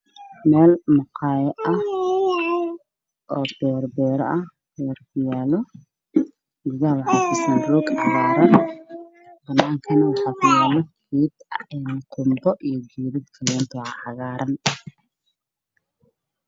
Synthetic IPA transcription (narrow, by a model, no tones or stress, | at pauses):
mɛːlmʊqʰɑːjɛʔɐh | ʔɔːb̥ɛːɾbɛːɾɔʔɐh | bɛrkʰʊjɛːlɔ | dɪɣɐwɑħɑkʰʊsinruːɡʕɑɣaːɾɐn | bɐnːaːŋkʰɐnɐwɑħɑːkʰʊjɛːlɛkʰiːd̪ɛnqʰʊmbɔʔijɔd͡ʒiːɾɪd̪kʰɐlɛːnt̪ʰɐʕɑɣaːɾʔɐn